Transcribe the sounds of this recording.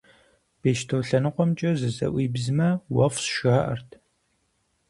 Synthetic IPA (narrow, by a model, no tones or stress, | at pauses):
b̥eːʃtʰowɬɐnɨqʷɔmt͡ʃʼɐzɨzɐ̰ʔʷiːbzɨmɐwɐfsʃaʔɐ̰rtʰ